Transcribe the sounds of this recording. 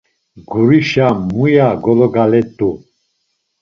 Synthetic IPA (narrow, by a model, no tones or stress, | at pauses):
ɡuɾiʃamːujaɡɔlɔɡalɛt̪ʼu